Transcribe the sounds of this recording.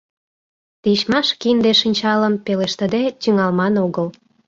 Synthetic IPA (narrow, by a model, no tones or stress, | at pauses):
t̪iʃmɑʃkind̪eʃinʲt͡ɕɑləmpeleʃt̪əd̪et̪yŋɑlmɑnoɣəl